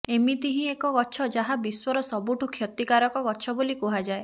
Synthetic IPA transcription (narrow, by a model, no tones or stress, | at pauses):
emit̪iɦĩekɔɡɔt͡ʃʰɔd͡ʒaɦabiswɔɾɔsɔbuʈʰukʰːjɔt̪ikaɾɔkɔɡɔt͡ʃʰɔbolikuɦad͡ʒae